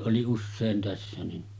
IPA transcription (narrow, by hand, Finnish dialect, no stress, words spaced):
ʔoli usːeːn tæsːæ ni